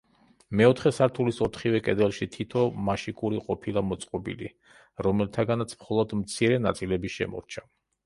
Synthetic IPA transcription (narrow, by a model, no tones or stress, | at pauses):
mɛɔt̪ʰχɛsaɾt̪ʰulisɔt̪ʰχivɛkʼɛd̪ɛlˠʃit̪ʰit̪ʰɔmaʃikʼuɾiqʼɔpʰilˠamɔt̪sʼqʼɔbḭlḭ | ɾɔmɛlt̪ʰaɡanat̪sʰmχɔlˠɔd̪mt̪sʰiɾɛna̰t̪sʼilɛbiʃɛ̰mɔ̰ɾt͡ʃʰa